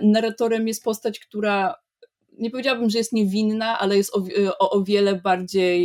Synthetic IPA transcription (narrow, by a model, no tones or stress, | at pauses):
naɾat̪ɔɾɛmjɛst̪̚pɔst̪at͡ɕkt̪uɾa | ɲɛp̬ɔvʲjed͡ʑawabɘmʐɛjɛst̪ɲɛvʲinːaʔalɛjɛst̪ɔɔʔɔvʲjɛlɛbaɾd͡ʑej